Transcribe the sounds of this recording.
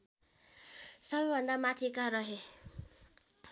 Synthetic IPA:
sʌbʌjbʱʌnd̪amat̪ʰikaɾʌɦe

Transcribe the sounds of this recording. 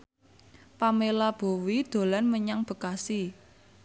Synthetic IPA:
pamelab̥o̤wid̪̥o̤lanməɲaŋb̥ə̤kasi

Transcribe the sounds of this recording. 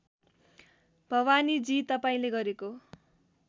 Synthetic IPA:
b̥ʱʌwanid͡zit̪ʌpaĩleɡʌɾeko

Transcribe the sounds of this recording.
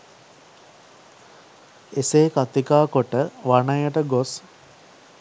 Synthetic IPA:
eseːkat̪ikaːkoʈəʋanəjəʈəɡos

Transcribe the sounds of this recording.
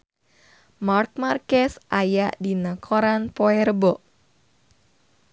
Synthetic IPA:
mark̚markɛsʔajaʔdinəkʰɔɾanpoɛɾəbɔʔ

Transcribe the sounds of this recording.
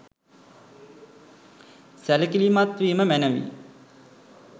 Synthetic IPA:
sæləkilimat̪ʋiːməmænəʋḭ

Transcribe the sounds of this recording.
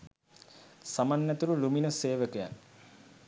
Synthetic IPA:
samanːæt̪uɾuluminəseːʋəkəja̰n

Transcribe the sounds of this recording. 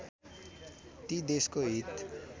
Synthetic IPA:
t̪id̪eskoɦit̪

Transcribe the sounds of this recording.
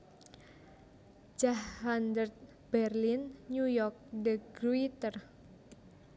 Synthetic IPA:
d͡ʒahand̪ərt̪̚ | b̥ɛrlinːɲujɔrk̚dəɡɾuit̪ər

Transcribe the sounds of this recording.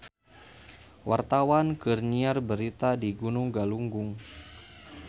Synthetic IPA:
wart̪awankərniarbəɾit̪adiɡunʊŋɡaluŋɡʊŋ

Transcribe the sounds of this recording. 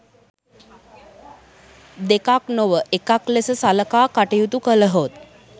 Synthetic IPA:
d̪ekaknoʋəʔekaklesəsaləkaːkaʈejut̪ukələɦot̪

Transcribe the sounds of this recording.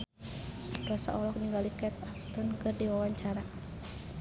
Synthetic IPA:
rɔsa̰ʔɔlɔk̚ɲəŋɡalikɛt̪̚ak̚t̪ʊnkɨrdiwawaɲt͡ʃaɾa

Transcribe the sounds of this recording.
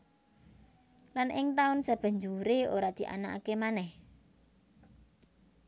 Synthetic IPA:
lanɪŋt̪aʊnsab̥ə̤ɲd͡ʒuɾeoɾad̪̥i̤ʔa̰naa̰kemanɛh

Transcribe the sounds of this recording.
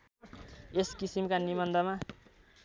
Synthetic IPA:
eskisimkanibʌnd̪ʱʌma

